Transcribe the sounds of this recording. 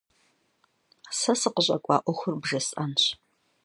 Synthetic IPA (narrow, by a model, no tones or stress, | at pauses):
sɐsɨqəɕʼɐkʷʼɑ̰ːʔʷɔxʷʊrbʒɐsʼanɕ